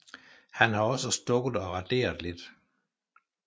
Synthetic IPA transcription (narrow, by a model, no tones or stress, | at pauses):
hænhɑ̈ɒ̽səsd̥ɔ̽ɡ̥ð̩ˠɒ̽ʁɑd̥e̝̰ːɐð̩ˠle̝d̥